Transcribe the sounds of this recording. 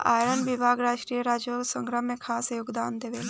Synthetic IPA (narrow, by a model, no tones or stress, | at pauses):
a̰ːɾənʋibʱaːɡɾaːʃɾiːjəɾaːd͡ʒoksə̃ŋɡɾəɦmẽkʰaːsjoɡd̪aːnd̪eʋeːl